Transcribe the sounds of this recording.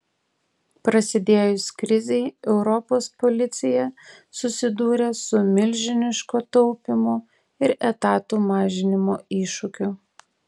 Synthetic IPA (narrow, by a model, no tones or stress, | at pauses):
pɾɐsʲɪd̪ʲeːjʊsʲkɾʲɪzʲɛɪɛʊɾɔpoːspɔlʲɪt̪sʲɪjɛ | sʊsʲɪd̪uːɾʲeːsʊmʲɪlʲʒʲɪnʲɪʃkoːt̪ɔʊpʲɪmoː | ɪɾɛt̪ɑːt̪uːmɑːʒʲɪnʲɪmoːiːʃʊkʲʊ